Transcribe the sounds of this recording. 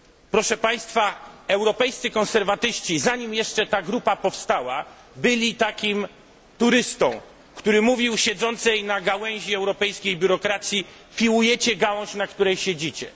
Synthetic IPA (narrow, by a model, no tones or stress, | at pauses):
pɾɔʂɛpaj̃st̪faɛwɾɔpɛjst̪sɨkɔ̃nsɛɾvat̪ɘɕt͡ɕizaɲimjɛʂt͡ʂɛt̪aɡɾupapɔfst̪awa | bɘlʲit̪akʲim | t̪uɾɘst̪ɔ̰̃w̃ | kt̪uɾɘmuvʲiwɕɛd̪zɔnt̪sɛjnaɡawɛw̃ʑiɛwɾɔpɛjskʲejbʲuɾɔkɾat̪sʲji | fʲiwujɛt͡ɕɛɡawɔ̃ɕnakt̪uɾɛjɕed͡ʑit͡ɕɛ̰